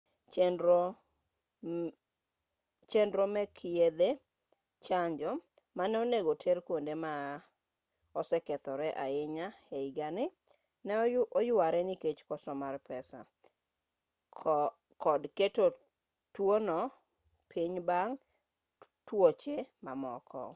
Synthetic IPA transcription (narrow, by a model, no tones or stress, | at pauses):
t͡ʃendɾomɛkʰied̪e | t͡ʃaɲd͡ʒɔ | manɛoneɡotʰeɾkwondema | ɔsɛkɛt̪ɔɾɛʔa̰ɪɲaeiɡanɪ | nɛojʊaɾɛniket͡ʃkɔsɔmarpɛsa̰ | kɔdketo | twonɔ | pʰiɲbaŋ | twot͡ʃemamɔ̰kʰɔ̰